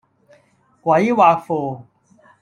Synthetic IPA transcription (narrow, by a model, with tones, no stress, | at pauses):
kwaː˨iwaː˨˧foː˨